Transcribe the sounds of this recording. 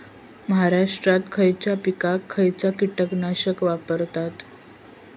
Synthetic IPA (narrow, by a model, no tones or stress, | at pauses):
məɦaɾaʂʈɾat̪kʰəjt͡ɕjapikakʰːəjt͡sakiʈəknaɕəkʋapəɾt̪at̪